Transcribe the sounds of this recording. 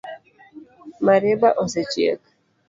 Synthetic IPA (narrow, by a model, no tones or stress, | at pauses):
maɾɛbaʔɔsɛt͡ʃjḛk